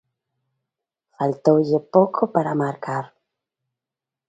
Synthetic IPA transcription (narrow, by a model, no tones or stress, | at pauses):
falt̪owʎepokʰopaɾamaɾkʰaɾ